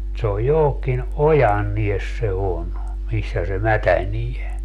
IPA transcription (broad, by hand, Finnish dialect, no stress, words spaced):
se oj johokːin ojɑnːies se on misːæ se mætænie